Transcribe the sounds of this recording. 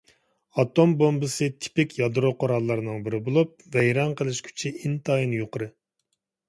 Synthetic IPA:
ɑt̪ombombɨsɨt̪ʰɪ̥pɪkʲjɑd̪ɾoqʰoɾɑlˠːɨɾɨnɨŋbɪɾɪbolˠup̚vɛjɾɑnqʰəlˠɪʃkʲʰy̥t͡ʃʰiint̪ʰɑjinɨjoqʰəɾɨ

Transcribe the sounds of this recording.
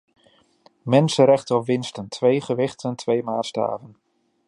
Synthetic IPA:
mɛnsəɾɛχtəɔpʋɪnstəntʰʋejχəʋɪχtʰəntʋejmaːsta̰ːvən

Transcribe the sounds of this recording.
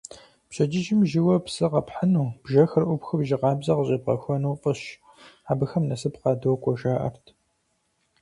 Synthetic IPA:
pɕɐd͡ʒɪd͡ʒɪmʒɪwɐpsɨqɐpħanuːb̥ʒɐxɐrʔʷʊpxɨbʒɪqɑːbzɐqəʑʼɐp̚qɐ̰xʷɔnuːfʼəɕ | aːbɨxɐmnɐsɨpqɑːdowkʷʰɔʒaːʔɐ̰rtʰ

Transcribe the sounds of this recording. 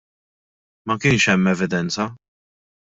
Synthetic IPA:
mɐkɪnʃɛmːɛvɪd̪ɛnt͡sɐ

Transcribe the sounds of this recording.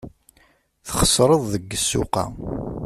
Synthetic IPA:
θχə̥sˤːɾˤəðˤðəɡːəsːʊ̰qɑ̰

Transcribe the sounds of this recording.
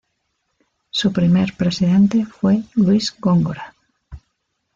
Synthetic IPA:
supɾimeɾpɾesiðẽnt̪efwelwizɡoŋɡoɾa

